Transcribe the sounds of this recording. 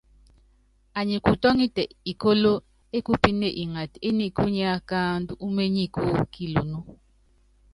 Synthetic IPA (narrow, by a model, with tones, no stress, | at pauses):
a˨ɲi˨ku˨tɔ˦ŋi˦tɛ˨i˨ko˦lo˦ | e˦ku˦pi˦ne˨ʔi˨ŋa˨te˦ni˦ku˦ɲ˦a˦ka˦ndu˦u˦me˦ɲi˦˨ku˦ki˨lo˨nu˦